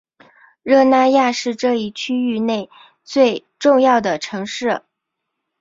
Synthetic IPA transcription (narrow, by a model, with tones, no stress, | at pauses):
ɻɤ˥˧na˥˧ja˥˧ʂɻ̩˥˧ʈ͡ʂɤ˥˧i˥˩t͡ɕʰy˥y˥˧ne˥˩ɪ | t͡swe˥˧ɪ | ʈ͡ʂʊ˥˧ŋjɑ˥˩ʊd̪ə˩ʈ͡ʂʰɤ˧˥ŋʂɻ̩˥˩